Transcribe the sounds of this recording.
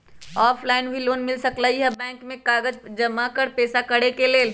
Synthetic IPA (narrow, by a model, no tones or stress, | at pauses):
ɔːpʰlaːɪnɦʊiloːnmɪlsəkləɦiɦɛbɛ̃ːŋkmẽkaːɡəd͡ʒd͡ʒəmakəɾpɛːsakəɽekeleːl